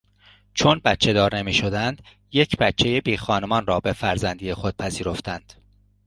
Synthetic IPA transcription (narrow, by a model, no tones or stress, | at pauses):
t͡ʃʰonbæt̪t͡ʃʰe̞d̪ɒːɾne̞miːʃo̞d̪ænd̪̥ | jecʰbæt̪t͡ʃʰːejebiːxɒːnemɒːnrɒːbe̞fæɾzænd̪ijexo̞d̪̥̚pʰæziːɾo̞ft̪ænd̪̥